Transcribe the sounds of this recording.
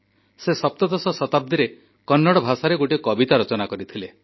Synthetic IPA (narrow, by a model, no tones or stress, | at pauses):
sesɔp̚t̪ɔd̪ɔsɔsɔt̪ab̚d̪ʱiɾe | kɔnːɔɽɔbʱasaɾeɡoʈikɔbit̪aɾɔt͡ʃɔnakɔɾit̪ʰile